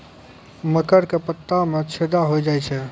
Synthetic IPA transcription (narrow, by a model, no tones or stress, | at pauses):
məkəɾkepət̪ːamẽt͡ʃʰed̪aɦojd͡ʒaːjt͡ʃʰɛ